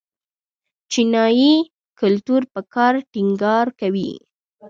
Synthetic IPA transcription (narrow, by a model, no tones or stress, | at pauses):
t͡ʃinɑji | kʊlt̪uɾpəkɑɾʈiŋɡɑɾkawḭ